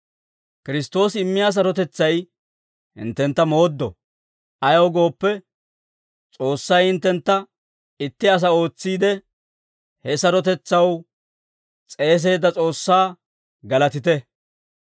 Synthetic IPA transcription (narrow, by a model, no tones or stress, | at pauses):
kɪɾɪst̪o̞ːsɪmːɪjaːs̬ɐɾɔt̪ɛt͡sːɐj | hɪ̰nt̪ːɛnt̪ːɐmo̞ːd̪ːɔ̰ | ʔɐjɐwɡo̞ːpːɛ | t͡sʼo̞ːsːɐjhɪnt̪ːɛnt̪ːɐ | ɪt̪ːɪɐs̬ɐo̞ːt͡sːiːd̪ɛ | hɛsɐɾɔt̪ɛt͡sːɐw | t͡sʼe̞ːs̬e̞ːd̪ːɐt͡sʼo̞ːsːaː | ɡɐlɐt̪ɪt̪ɛ